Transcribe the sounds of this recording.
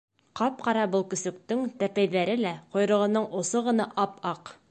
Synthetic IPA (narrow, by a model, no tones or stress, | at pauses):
qɑp̚qɑɾɑbɤlˠkɵ̆sɵ̆k̚t̪ɘŋt̪æpæjðæɾɘlæqŏjɾɤ̆ʁɤ̆nːɤɴʔŏsɤʁɤ̆nɑʔɑpʰɑq